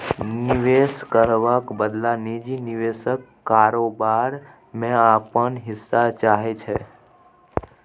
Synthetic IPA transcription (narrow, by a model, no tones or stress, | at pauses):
nɪʋeskəɾʋakbəd̪lanid͡ʒinɪʋesəkːaːɾobaɾ | mẽapənɦɪsːat͡ʃaɦet͡ʃʰe